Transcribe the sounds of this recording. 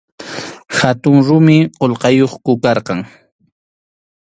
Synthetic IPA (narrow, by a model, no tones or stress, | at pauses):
hat̪ʊŋɾʊmɪqolqɑjoχkʊkɑɾqɑŋ